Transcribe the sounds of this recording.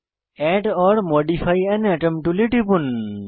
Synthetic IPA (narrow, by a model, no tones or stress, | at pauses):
ɛʈɔɽmoɖifʰajɛnɛʈemʈuliʈipun